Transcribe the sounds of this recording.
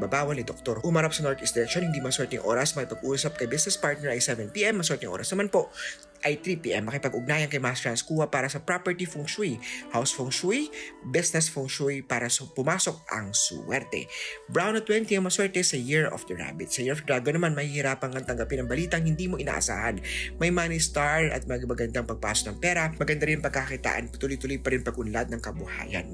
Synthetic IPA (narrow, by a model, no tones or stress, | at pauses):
babaːwɐlnɪd̪ok̚t̪oɾʊmɐɾap̚sɐnoɹt̪isd̪ɪɾɛʃonhɪnd̪iːmoɐswɛɹt̪ɪŋʔo̰ːɾɐsmɐkɪpɐɡʔuːsɐp̚kɐjbɪsnɛspaɹt̪̚nɛɹɐjsɛvɛnpiːʔɛmːɐs̬wɛɹt̪ɪŋʔo̰ːɾʔɐsnɐmanpo̞ʔ | ʔɐjt̪ɾiːpiːʔɛmːɐkɪpɐɡʔʊɡ̚naːjɐnkɐjmasɹanskuːɐpaːɾɐsɐpɹapɛɹt̪ifʊŋʃuihawsfoŋʃuibɪsnɛsfʊŋʃuɹipaːɾɐsɐpʊmaːso̞k̚ʔɐ̰ŋswɛɾt̪ɛ̰bɹawnɐt̪wɛnt̪iɐŋmɐswɛɹt̪ɛsɐjɪɹɔ̰fd̪ɹa̰bɪt̪sɐjɪɹɔfd̪ɾaɡonɐmanmɐhihɪɾaːpɐŋkɐŋt̪ɐŋɡɐpɪnɐŋbɐliːt̪ɐŋhɪnd̪iːmoʔɪna̰ːʔɐ̰sa̰ːhɐnmɐjmaːnist̪aɹɐ̰t̪̚mɐɡmɐɡɐnd̪aŋpɐɡ̚pa̰ːsok̚nɐŋpɛːɾɐmɐɡɐnd̪aɾɪnpɐɡ̚kɐkkit̪a̰ːʔɐ̰npt̪uːlojt̪ʊlojpɐɾɪnpɐɡʔʊnlad̪̚nɐŋkɐbʊha̰ːjɐ̰n